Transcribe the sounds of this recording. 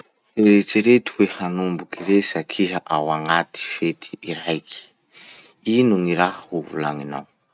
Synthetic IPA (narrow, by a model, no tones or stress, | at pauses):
eɾet͡seɾet̪ʰu̥wehanumbukʰiɾesakʰiɦaʔawaŋatʰi̥fet̪ʰi̥ːɾaikʰi̥ | inuŋiɾahahuvṵlaŋina̰w